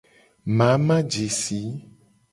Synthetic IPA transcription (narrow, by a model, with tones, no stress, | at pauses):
mã˨˦mã˦d͡ʒe˨si˨˦